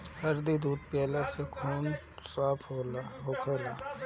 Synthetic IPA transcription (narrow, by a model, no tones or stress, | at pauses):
hɐɾd̪id̪uːd̪̚pɛːlasekʰuːn | saːpʰɦoːlaɦoːkʰelaː